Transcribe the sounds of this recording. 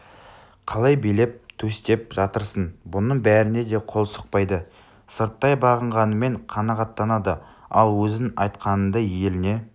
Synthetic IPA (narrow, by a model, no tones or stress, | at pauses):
qʰɑlˠɑjbejle̞p̚t̪ʰɵst̪e̞p̚ʒɑt̪əɾsənbʊnəɴbæɾɪne̞d̪e̞qʰo̞lˠsə̥q̚pɑjd̪ə | səɾt̪ːɑjbɑʁəɴʁɑnəme̞ɴqʰɑnɑʁɑt̪ːɑnɑd̪əɑlˠwɵzɪnɑjt̪qɑnənd̪ɑje̞lɪne̞